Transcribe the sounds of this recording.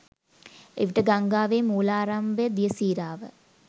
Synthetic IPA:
ḛʋiʈəɡaŋɡaːʋeːmuːlaːɾambəjəd̪ijəsiːɾaːʋə

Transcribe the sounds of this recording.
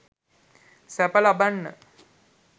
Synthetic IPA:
sæpəlabanːə̰

